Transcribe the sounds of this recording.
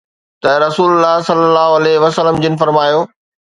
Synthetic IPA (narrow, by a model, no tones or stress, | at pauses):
t̪ɐɾɐsuːlʊlːaɦsɐlːəlːaːɦoɐleɦʋɐsəlːəmd͡ʑɪnɪ̆fɐɾmaːjoː